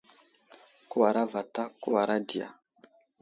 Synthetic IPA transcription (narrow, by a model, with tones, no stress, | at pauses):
ku˦wa˨ɾa˦va˨ta˦ku˦wa˨ɾa˦di˨a̰˨